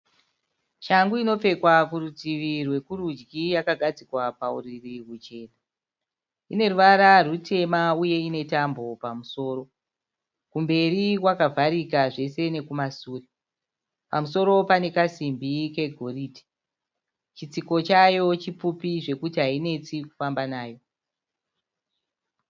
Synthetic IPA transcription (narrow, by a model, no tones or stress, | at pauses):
t͡ʃaŋɡuino̞p͡fe̞kwakurutiʋirwe̞kuɾud͡ʒɡijakaɡʱad͡zikwapauririwut͡ʃe̞ːna | ine̞ruʋaɾarutʰe̞mauje̞ine̞tambo̞pamuso̞ːɾo̞ | kumbe̞rikwakavʱaɾikaʐe̞se̞ne̞kumasuːre | pamuso̞ɾo̞pane̞kasimbike̞ɡʱo̞riti̥ | t͡ʃit͡siko̞t͡ʃajo̞t͡ʃip͡fupiʐe̞kutiɦaine̞t͡siku̥fambanaːjo̞